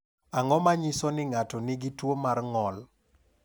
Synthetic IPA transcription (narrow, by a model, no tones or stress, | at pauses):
aŋɔmaɲɪsɔnɪŋatɔnɪɡɪtwomarŋɔl